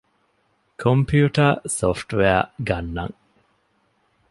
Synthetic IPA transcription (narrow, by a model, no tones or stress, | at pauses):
kʰompʰjuːʈɐsofʈʋeɐɡɐnːɐ̰ŋ